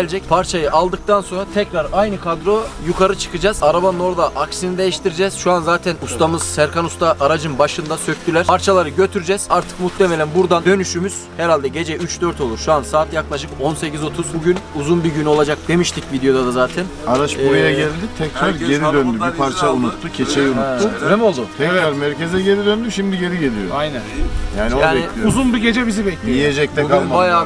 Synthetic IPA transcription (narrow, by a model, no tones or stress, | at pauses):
lʲd͡ʒɛc̚pʰaɾt͡ʃʰajɯʔalˠd̪ɯk̚t̪ʰanso̞nɾat̪ʰɛcɾaɾajnɯkʰad̪ɾojukʰaɾɯt͡ʃʰɯ̥kʰɯd͡ʒaz̥aɾabanɯno̞ɾd̪aʔaksinid̪e̞jiʃt̪ʰiɾid͡ʒɛz̥ʃuanzaːt̪ʰɛnust̪ʰamɯz̥sæɾkʰanust̪ʰaʔːɾad͡ʒɯnbaʃɯnd̪asø̞c̚ʲt̪ʰylʲæɾ̥pʰaɾt͡ʃʰalˠaɾɯɟø̞t̪ʰyɾd͡ʒɛz̥aɾt̪ʰɯ̥kmut̪lʲeme̞lʲænbuɾd̪and̪ø̞nyʃymyz̥hɛɾalʲd̪ɛɟe̞d͡ʒɛʔyt͡ʃd̪øɾt̪ʰo̞lˠuɾʃuansaːt̪jaklˠaʃɯko̞nse̞cizo̞t̪ʰuzbuɟynuzunbiɟyno̞lˠad͡ʒak̚d̪e̞miʃt̪ʰicvid̪ejo̞d̪ad̪azaːt̪ʰɛnaɾaʃuɾajaɟɛlʲd̪it̪ʰɛkɾaɾɟe̞ɾiid̪ønd̪ybipʰaɾt͡ʃʰaunut̪ːucʰet͡ʃʰɛjunutːunɛmo̞lˠd̪ut̪ʰɛkɾaɾmæɾce̞zɛɟe̞ɾid̪ønd̪yʃimd̪iɟe̞ɾiɟe̞lʲijoajnænjaːniojaːbɛiuzunbiɟe̞d͡ʒɛbizibɛclʲiijed͡ʒɛc̚t̪ʰɛuɡynbajaː